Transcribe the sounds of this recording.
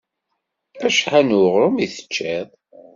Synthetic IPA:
fæʃħanuʁɾˤʊmiθə̥t͡ʃːeðˤ

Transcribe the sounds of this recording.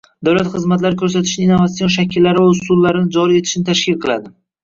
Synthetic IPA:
d̪awlat̪χɨzmat̪laɾɪkʰɵɾs̬at̪ʰɪ̥ʃnɪinːovat̪sijɔʃakʲʰɪlːaɾɪvaʊsulˠːaɾɪnɪd͡ʒɒɾie̞t̪ʰɪʃɪnɪt̪ʰaʃkʲɪlˠqʰɨlˠa̰d̪ɪ

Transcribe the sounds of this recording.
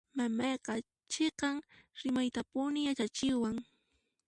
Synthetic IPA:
mamɑjqɑ | t͡ʃeqɑŋɾɪmajt̪apʊnɪjat͡ʃat͡ʃɪwaŋ

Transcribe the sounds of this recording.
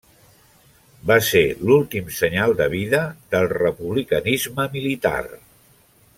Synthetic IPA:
baselulˠt̪imsəɲalˠd̪əβ̞iðəðəlˠrəpuβlikənizməmilit̪a̰r

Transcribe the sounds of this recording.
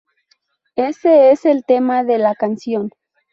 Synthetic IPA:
e̞se̞ese̞lt̪e̞maðe̞lakansjo̞n

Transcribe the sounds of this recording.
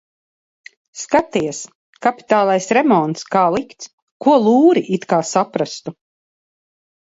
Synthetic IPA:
skat̪iɛs | kapi̥t̪aːlˠajsɾɛmɔnt̪skaːlˠikt̪s | kuɔlˠuːɾiʔit̪kaːsapɾast̪u

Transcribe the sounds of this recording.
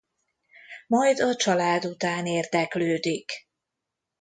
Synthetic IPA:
mɒjd̪ɒt͡ʃɒlaːd̪ut̪aːneːrd̪ɛkløːd̪ik

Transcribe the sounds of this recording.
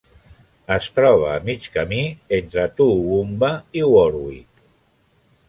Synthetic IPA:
əst̪ɾɔβ̞əːmit͡ʃkəmient̪ɾət̪uumbəiwɔɾwḭk

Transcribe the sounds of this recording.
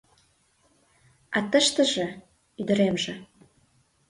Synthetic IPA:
ɑt̪əʃt̪ə̆ʒĕ | yd̪ə̆ɾemʒə̆

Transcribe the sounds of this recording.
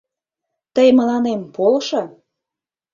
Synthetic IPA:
t̪əjmə̆lɑnempolʃɤ

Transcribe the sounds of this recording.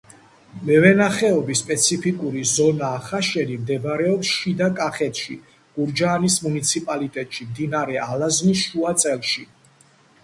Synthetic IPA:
mɛvɛnaχɛɔbispʼɛt̪sʰipʰikʼuɾizɔnaːχaʃɛnimd̪ɛbɾɛɔpsʃid̪akʼaχɛt̪ʰʃḭ | ɡ̥uɾd͡ʒaːnismunit̪sʰipʼalit̪ʼɛt̪ʼʃimd̪inaɾɛʔalazmisʃuat̪sʼɛlˠʃi

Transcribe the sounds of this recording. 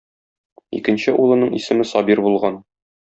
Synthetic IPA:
ḭkɘ̆nɕɘʔulˠɤ̆nɤɴḭsɘ̆mɘsɒbiɾbulˠʁɑn

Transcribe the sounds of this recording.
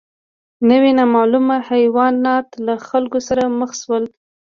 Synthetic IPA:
nəwenamɑlumahajwɑnːɑt̪laxalkosaɾaməxswəl

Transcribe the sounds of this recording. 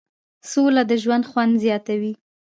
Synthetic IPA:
solad̪əʒwand̪xwand̪zjɑt̪awi

